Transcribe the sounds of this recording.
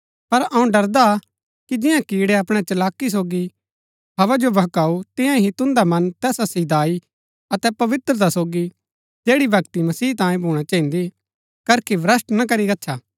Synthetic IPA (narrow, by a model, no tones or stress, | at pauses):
pɐɾɐũɖɐɾd̪a | kid͡ʒɪ̃jãkiːɽeɐpɽ̃et͡ʃɐlaːkːis̬oːɡi | bɐʋad͡ʒobɐɦkaːut̪ɪ̃jãɦit̪ʊ̃nd̪amɐnt̪ɛːsasid̪aːi | ɐt̪ɛpɐʋɪt̪ɾət̪asoːɡi | d͡ʒeːɽibʱɐkt̪imɐsiːt̪ãːĩbʱuːɽ̃at͡ʃãːɦĩnd̪i | kɐɾkʰeʋɾɐsʈnɐk̬ɐɾiɾɐtːt͡ʃʰaː